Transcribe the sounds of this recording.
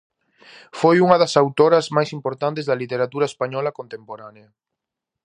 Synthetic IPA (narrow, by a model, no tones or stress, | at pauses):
fojuŋɐðɐsawt̪oɾɐzmajsimpoɾt̪ant̪ezðɐlit̪eɾat̪uɾɐespaɲɔlɐkont̪empoɾaneɐ